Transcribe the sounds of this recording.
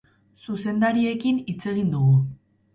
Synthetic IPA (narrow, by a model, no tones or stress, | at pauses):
suse̞nd̪aɾie̞kinit͡se̞ɣ̞ind̪uɣu